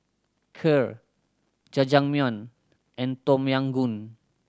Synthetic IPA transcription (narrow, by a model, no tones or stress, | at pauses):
kʰəɹ | d͡ʒad͡ʒaŋmiɔ̃n | ʔɛ̃nt̪ɔ̃mjãŋɡun